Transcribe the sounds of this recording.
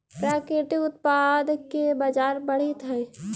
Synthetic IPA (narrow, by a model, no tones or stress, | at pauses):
pɾakeʈiʊt̪̚pad̪kːebad͡ʒaːɾbəɽ̤et̪ɦɛj